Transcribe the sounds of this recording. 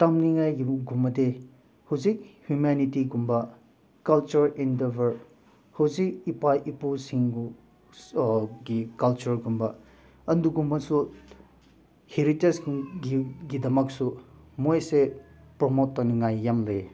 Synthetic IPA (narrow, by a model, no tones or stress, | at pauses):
tamniŋajɡiɡumːɐde | huzik̚hjumanitiɡumbɐ | kɐlt͡ʃuɾindebɐɾ | huzik̚ipajʔipusiŋɡu | ɡikɐlt͡ʃuɾɡumbɐ | ɐnduɡumɐsu | hiɾitesɡiɡidɐmɐk̚su | mojse | pɾomot̚ːaniŋajːamlej